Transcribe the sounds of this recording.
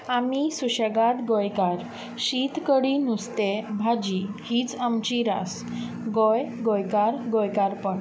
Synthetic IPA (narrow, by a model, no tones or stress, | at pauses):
amisuɕəɡat̪ɡɔjkaɾ | ɕit̪kəɽinust̪ebʱad͡ʑihit͡samt͡ɕiɾa̰s | ɡɔjɡojkaɾɡojkaɾpəɳ